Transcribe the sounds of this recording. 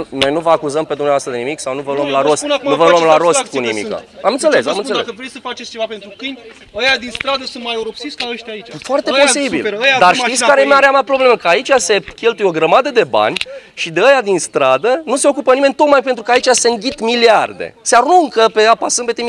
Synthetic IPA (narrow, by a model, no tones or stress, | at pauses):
no̞jnuvəakuzəmpe̞d̪umneavast̪ɾəd̪enimiksawnuvəluəmlaɾostnnuvəluəmlaɾo̞st̪kunimḭkə̰amɨnse̞lesamɨnseevɾejsəfat͡ʃest͡ʃevapent̪ɾukɨnd̪ʲ | əjad̪inst̪ɾad̪əsunt̪majeuɾopsiskaəʃt̪ait͡ʃafoart̪e̞po̞sibiləjad̪arʃt̪it̪sʲkaɾemeaɾeamapɾo̞ble̞mekəait͡ʃʲase̞kʲe̞lt̪ujo̞ɡɾəmad̪əd̪e̞ba̰nʲʃid̪eəjad̪inst̪ɾad̪ənuse̞o̞kupənime̞nʲt̪o̞t̪̚majpent̪ɾukəait͡ʃaseɨŋɡʲit̪miliard̪ḛsearuŋkəpe̞apasɨmbe̞t̪em